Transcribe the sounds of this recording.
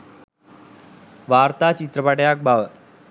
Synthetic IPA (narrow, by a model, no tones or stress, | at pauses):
ʋaɾt̪at͡ɕit̪ɾəpaʈjak̚baʋə